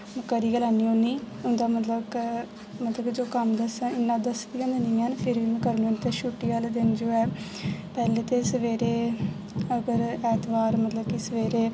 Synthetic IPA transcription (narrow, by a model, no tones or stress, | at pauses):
kəɾiːɡəlanːiːonːiː | ʊnd̪aːmət̪ləbk | mət̪ləbd͡ʒoːkəmd̪əsə̃ɪnːãːd̪əsd̪iːə̃nd̪eniːaːnpʰɪɾʋiːmɛ̃ːkəɾnuent̪eʃuʈːiaːld̪ɪnd͡ʒoːɛː | pɛːleːt̪eːsəʋeːɾeː | əɡəɾɛːt̪ʋaːɾmət̪ləbkisəʋeːɾeː